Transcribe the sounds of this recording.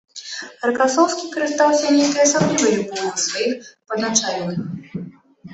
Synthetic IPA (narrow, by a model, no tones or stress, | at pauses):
ɾkasɔwskʲikɐɾɨst̪awsʲɐnʲejk̪ɐjɐsamnɔvɐlʲubɔvɨsvajixpɐd̪nat͡ʂalʲnɨx